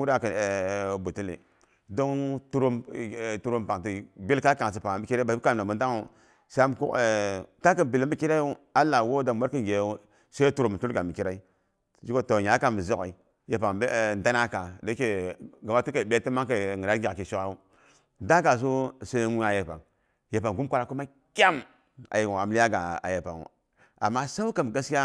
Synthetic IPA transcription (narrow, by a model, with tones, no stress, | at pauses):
u˦ɾa˦˨kbu˨ti˦lḛ˨ | do˦ŋ˦tu˦ɾo˦mtu˦ɾo˦mpa˨ŋti˦˨bi˦lka˦ka˨ŋ˨s̬i˨pa˨bi˦ki˦ɾa˦ba˨i˦ka˦˨na˨mu˨nda˦ŋ˦u˨˦ | sa˦a˦m˨kṵ˦kta˦kə˦bi˨le˦mi˦ki˦ɾa˦u˦a˦lːa˨wo˦da˨m˦wa˦ɾki˦ŋ˨ɡe˨u˦ | se˦tu˦ɾo˨m˨tu˦lɡa˨mi˨ki˦ɾa˦i˦ | d͡ʒi˦ko˦to˨ɲa˨˦ka˨mi˨zi˦ka̰˨i˨ | je˨pa˨ŋ˨˦˨n˦da˦na˦ka˨de˦e˨ɡa˨ma˦tu˦ka˨be˦ti˦ma˦ŋka˨ŋi˨a˦ɡʲa˨ki˨ʃo˦ka˦u˦ | da˦ka˨s̬o˦se˦nu˦a˨je˨pa̰˨ŋ | je˨pa˨ŋɡu˦mkʷa˦ɾa˨ku˦ma˦ | kʲa˦m | a̰˨je˨a˨m˨li˦a˦ɡa˨a̰˨je˨pa̰˨ŋṵ˨ | a̰˨mːa˦sa˦u˦ka˨m˨ɡa˦sa˦